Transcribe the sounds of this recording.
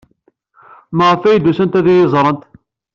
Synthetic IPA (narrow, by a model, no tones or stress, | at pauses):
məʁfæjd̪usənt̪æðijɪzˤɾˤənt̪